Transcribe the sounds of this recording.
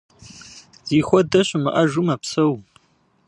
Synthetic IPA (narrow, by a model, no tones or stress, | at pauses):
z̥iːxʷɔdɐɕʼʊmɨʔɐʒumɐpsɐw